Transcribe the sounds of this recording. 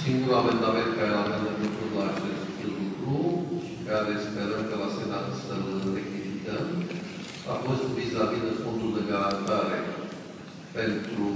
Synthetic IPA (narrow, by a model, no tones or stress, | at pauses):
siŋɡulamend̪amẽnt̪̚kaɾelavend̪əmp̪ət̪ut̪laʒt̪eskilkɾu | kaɾespəɾəmkəlasenat̪səlˠrekizit̪əm | a̰fost̪bizaβinəfond̪ud̪əɡaɾant̪aɾe | pent̪ɾu